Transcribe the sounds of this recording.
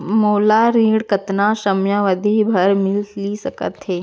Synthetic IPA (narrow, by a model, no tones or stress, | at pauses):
moːlaɾiːɽkɐt̪nãʃɐmjãːʋəd̪ʱibʱɐɾmɪllisɐkə̰t̪ɦeː